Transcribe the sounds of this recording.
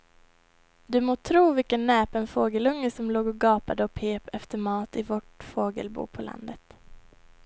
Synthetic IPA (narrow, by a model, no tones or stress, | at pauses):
d̪ɵmoːt̪ʰɾuːvɪkənːɛːpɛnfoːɡəlɵŋːəsɔmloːɡɔɡɑːpad̪əɔpʰeːpɛft̪əɾmɑːt̪ɪvɔʈfoːɡə̰lbṵːpʰɔla̰nd̪ət̪